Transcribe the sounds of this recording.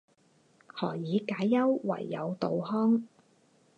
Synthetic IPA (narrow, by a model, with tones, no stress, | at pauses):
hɔː˨˩jiː˨˧kaː˨˥jːɐ˥wwɐ̰˨˩jːɐ̰˨˧wt̪o˨whɔː˥ŋ